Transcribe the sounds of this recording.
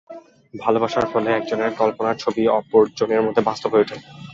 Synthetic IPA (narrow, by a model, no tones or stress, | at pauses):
bʱalobaʃaɾfɔleɛk̚d͡ʑoneɾkɔlponaɾt͡ɕʰobiɔpoɾd͡ʑoneɾmod̪ʱːebast̪obʱɦoeoʈʰel